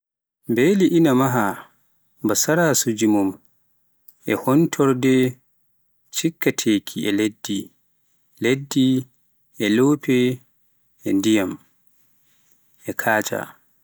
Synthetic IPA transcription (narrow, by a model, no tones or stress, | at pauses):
mbeliʔinamaɦa | basaɾasud͡ʒimum | ʔɛhɔntʰɔɾdɛ | t͡ʃikːatʰeːkʰiɛledːi | ledːi | ʔɛloːpʰɛ | ɛndijam | ɛkʰaːt͡ʃa̰